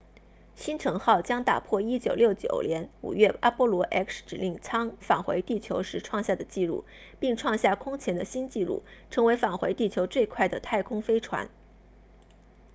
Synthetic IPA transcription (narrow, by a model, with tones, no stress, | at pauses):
ɕi˥nʈ͡ʂʰɤ˧˥ŋxɑ˥˩ʊt͡ɕjɑ˥ŋt̪a̰˨˩pʰwɔ˥˩i˥t͡ɕjo˨˩ʊljo˥˩ʊt͡ɕjo̰˨˩ʊljɛ˧˥nṵ˨˩ɥɛ˥˩a˥pwɔ˥lwɔ˧˥ʔɛ˥ksʈ͡ʂɻ̩˨˩li˥˩ŋt͡sʰɑ˥ŋfa˨˩xwe˧˥ɪt̪i˥˩t͡ɕʰjo˧˥ʊʂɻ̩˧˥ʈ͡ʂʰwɑ˥˧ŋɕja˥˩d̪ə˩t͡ɕi˥˧ɻṵ˥˩ | pi˥˧ŋʈ͡ʂʰwɑ˥˧ŋɕja˥˩kʰʊ˥ŋt͡ɕʰjɛ˧˥nd̪ə˧ɕi˥nt͡ɕi˥˧ɻṵ˥˩ʈ͡ʂʰɤ˧˥ŋwe˧˥ɪfa˨˩nxwe˧˥ɪt̪i˥˩t͡ɕʰjo˧˥ʊt͡swe˥˧ɪkʰwa˥˩ɪd̪ə˩t̪ʰa˥˩ɪkʰʊ˥ŋfe˥ɪʈ͡ʂʰwa̰˧˥n